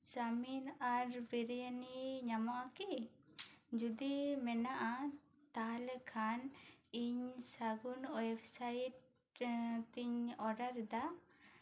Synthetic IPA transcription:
d͡ʒaminaɾbiɾjaniɲamaʔaki | d͡ʒud̪imɛnaʔa | t̪aɦalɛkʰaniɲsaɡunwebsajiʈ | t̪iɲɔɖaɾd̪a

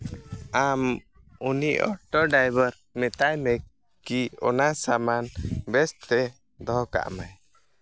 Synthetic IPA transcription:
am | uniʔɔ̰ʈɔɖajbəɾ | mɛt̪ajmɛ | kiɔ̰nasamanbɛst̪ɛ | d̪ɔɦka̰ʔmaj

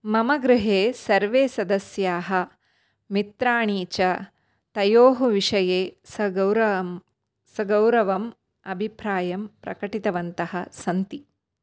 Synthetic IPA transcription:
mɐmɐɡɾɪɦeːsɐɾʋeːsɐd̪ɐsjaːɦɐ | mit̪ɾaːɳiːt͡ʃɐ | t̪ɐjoːɦuʋiʂɐjeːsɐɐwɾɐ | sɐɡɐwɾɐʋɐm | ɐbʱipɾaːjɐmpɾɐ̰kɐʈit̪ɐʋɐnt̪ɐɦɐsɐnt̪i

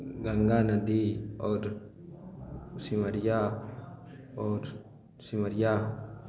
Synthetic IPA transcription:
ɡaŋɡanadiɔɾ | simaɾjah | ɔɾ | simaɾjaa

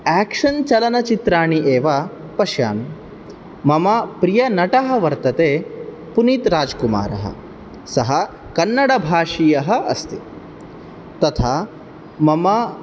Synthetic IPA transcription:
æːkʂɐnt͡ʃɐlɐnɐt͡ʃit̪ɾaːɳiʔeːʋa | pɐʃja̰ːn | mɐmɐpɾijɐnɐʈɐɦɐ̆ʋɐɾt̪ɐt̪eː | punit̪ɾaːd͡ʒkuma̰ːɾɐ̰ɦɐ̰ | sɐɦɐ | kɐnːɐɽɐbʱaːʂijɐɦɐ̆ɐ̰st̪i | t̪ɐt̪ʰaː | mɐmɐ

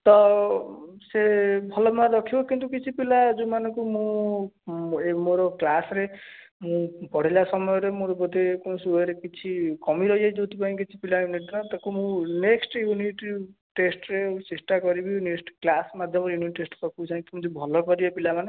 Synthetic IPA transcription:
t̪ɔ | sebʱɔlɔmaɾɔkʰibokint̪ukit͡ʃʰipilad͡ʒumanɔ̃kumũ | emoɾɔklasɾe | mũpɔɽ̤ilasɔmɔjɔɾemoɾɔbɔd̪ekunsuɔɾekit͡ʃʰikɔmiɾɔjajd͡ʒot̪ipaĩkit͡ʃʰi̥pilajuniʈ̬nɔt̪akumũneksʈjuniʈi | ʈesʈɾesesʈakɔɾibineksʈklasmad̪ʱjɔmɔɾjuniʈːesʈsɔkʰiut͡ʃʰãĩk̪imũd͡ʒubʱɔlɔkɔɾibɔpilamane

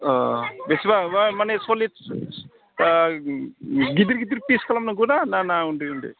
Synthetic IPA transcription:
ɔbesibamanesoli | ɡid̪iɾɡid̪iɾpiskʰalamnaɡunananauɳɖiuɳɖḭ

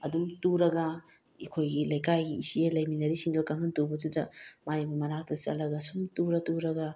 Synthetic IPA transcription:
ɐdumtuɾɐɡɐ | ikʰojɡilɐjkajɡiisielɐjminɐɾisiŋdɐkaŋɐntubɐtʰudɐmajbɐmɐnak̚tɐt͡ʃɐ̰lɐɡɐsumtuɾɐtuɾɐɡɐ

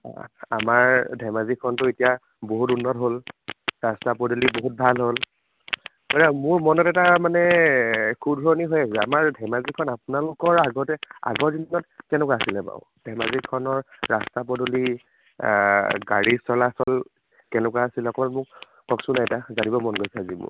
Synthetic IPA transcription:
a̰maɹdʱɛmazikʰːɔntʊetija | boɦutunːɔtɦolɹastapɔdoliboɦut̚bʱalɦol | kɔɹamʊɹmɔnɔtɛtamanɛ | kʰudʱɔɹniɦojasɛa̰maɹdʱɛmazikʰɔnapʊnalʊkɔɹaɡɔtɛa̰ɡɔɹdinːɔtkɛ̃nʊkaasilɛpa̰ʊd̥ʱɛmazikʰːɔnɔɹɹastapɔduli | ɡaɹisɔlaːsɔl | kɛnʊkwaasilɔkɔbaɔmʊk̚ | kɔksʊnaɛtazanibɔmɔnɡojsɛazimʊ̰ɹ

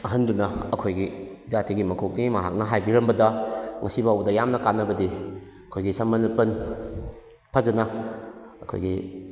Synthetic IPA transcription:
ɐɦɐndunɐɐkʰojɡizatʰiɡimɐkʰok̚nimɐɦa̰k̚nɐɦajbiɾɐmbɐdɐŋɐsibawbɐdɐjamnɐkanːɐbɐdi | ɐkʰojɡisɐmɐnupɐn | pʰɐzɐnɐ | ɐkʰo̰jɡi

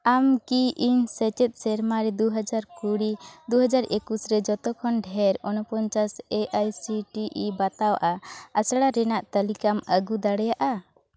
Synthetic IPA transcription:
amkiʔiɲsɛt͡ʃɛt̪̚sɛɾmaɾɛd̪uɦad͡ʒaɾkuɽid̪uɦad͡ʒaɾekusɾɛd͡ʒɔt̪ɔkʰɔnɖʱɛɾɔnɔpɔɲt͡ʃasɛʔajsiʈiʔibat̪awaʔaasɽaɾɛnaʔt̪əlikaməɡud̪aɽɛjaʔa

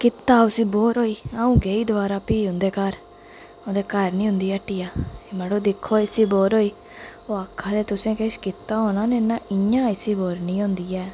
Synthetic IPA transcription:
kɪt̪ːaːʊsiːboːɾɦoːiːaːũːɡeːiːd̪əʋaːɾaːpiːɦʊ̃nd̪eːkəɾ | ʊnd̪eːkəɾnĩːɦʊ̃nd̪iːɛːʈːiːaːemɛɽoːd̪ɪkʰːoːɪsiːboːɾɦoːiː | oːaːkʰːaːd̪eːt̪ʊsẽːkeʃkɪt̪ːaːɦoːnaːnẽːnãːɪãːɪsiːboːɾnĩːɦʊ̃nd̪iːɛː

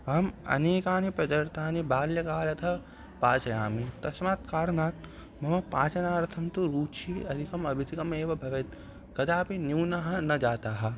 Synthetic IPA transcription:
ɦɐmɐ̰neːkaːnipɾɐd̪ɐɾt̪aːnibaːljɐkaːlɐt̪ʰɐ | paːt͡ʃɐjaːmit̪ɐsmaːt̪kaːɾnaːt̪̚ | mɐmɐpaːt͡ʃɐnaːɾɐt̪ʰɐmt̪uɾuːt͡ʃʰiɐd̪ʱikɐmɐbʱit̪ʰikɐmeːʋɐbʱɐʋɐt̪ | kɐd̪aːpinjuːnaɦɐnɐd͡ʒaːt̪aːɦɐ

